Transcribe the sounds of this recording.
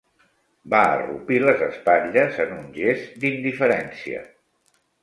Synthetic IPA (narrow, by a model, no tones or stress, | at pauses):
baə̰rṵpiləzəspaʎəzənunʒezd̪ind̪ifəɾɛnsiə̰